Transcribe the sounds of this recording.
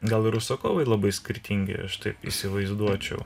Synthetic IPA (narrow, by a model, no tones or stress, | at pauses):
ɡɐlˠɪɾʊsokoːʋɐɪlˠɐbɐɪsʲkʲɪɾʲt̪ʲiŋʲɡʲɪ̰ɐʃt̪ɐɪpḭsʲɪʋɐɪzd̪uɔt͡ʃʲɛʊ